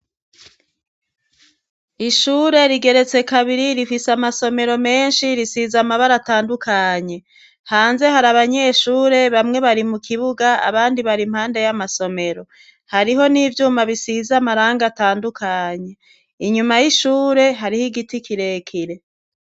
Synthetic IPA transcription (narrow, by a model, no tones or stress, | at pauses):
iʃuːɾe̞ɾiɡe̞ɾe̞t͡se̞kaβiɾiɾifisamaso̞me̞ɾo̞me̞ːnʃiɾisizamaβaɾataːndukʰaɲe̞ | haːnze̞haɾaβaɲe̞ʃuːɾe̞βamŋe̞βaɾimukʰiβuɡaa̰βaːndiβaɾimhaːnde̞jamaso̞me̞ɾo̞ | haɾiɦo̞niːvjuːmaβisizamaɾaːŋɡataːndukʰaɲe̞ | iɲumajiʃuːɾe̞ɦaɾihiɡitikʰiɾe̞kʰiɾe̞